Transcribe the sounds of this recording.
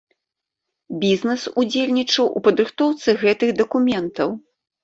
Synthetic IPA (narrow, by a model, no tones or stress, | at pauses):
bʲiznɛsud͡zʲelʲnʲit͡ʂɐwṵpɐd̪ɾɨxt̪ɔwt̪sɨɣɛt̪ɨɣd̪ɐkumʲɛnt̪ɐw